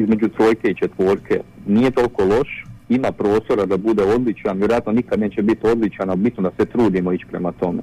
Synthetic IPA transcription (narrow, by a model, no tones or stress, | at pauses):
izme̞d͡ʑut̪ɾo̞ːjke̞it͡ʃe̞t̪ʋo̞ːɾkʰḛnije̞t̪o̞lko̞lˠo̞ʃimapɾo̞ːst̪o̞ɾad̪abud̪eo̞d̪lit͡ʃanʋjeɾoat̪nonikad̪ne̞t͡ɕe̞bit̪o̞d̪lit͡ʃanaubit̪nud̪aset̪ɾuːd̪imo̞it͡ʃpɾe̞mat̪o̞me̞̰